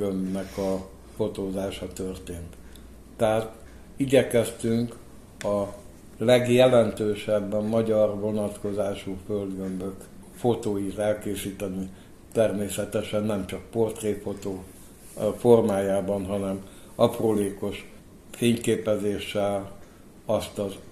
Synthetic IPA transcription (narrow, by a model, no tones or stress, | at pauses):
ømnɛkɒ | fo̞t̪oːzaːʃɒt̪ørt̪eːnt̪ː | ɛɦaːt̪ | iɟɛkɛst̪yŋk | ɒ | lɛɡjɛlɛnt̪øːʃɛbːɛmːɒɟɒrʋo̞nɒt̪ko̞zaːʃuføld̪ɡømbøkfo̞t̪oːjit̪ɛlkeːsiːt̪ɛni | t̪ɛrmeːsɛt̪ɛʃɛnːɛmt͡ʃɒk̚po̞rt̪reːfot̪oː | fo̞rmaːjaːbɒnɦɒnɛm | ɒproːleːko̞ʃ | feːɲkeːpɛzeːʃːɛl | ɒst̪ɒz